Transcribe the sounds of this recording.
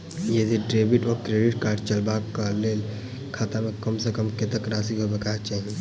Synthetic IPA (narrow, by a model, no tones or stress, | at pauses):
jed̪ʱiɖɾeːbiʈɔːɾkɾeːɖɪʈkaːɾɖt͡ʃəlbakaleːl | kʰaːt̪amẽkəmsekəmket̪əkɾaːsiɦobekat͡ʃaːɦi